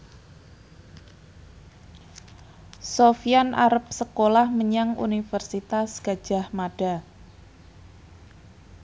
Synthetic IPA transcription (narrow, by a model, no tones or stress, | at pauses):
sofianaɾəp̚səkolahməɲaŋṵnifərsit̪asɡ̥a̤d̥ʒ̥a̤hmaɖ̥a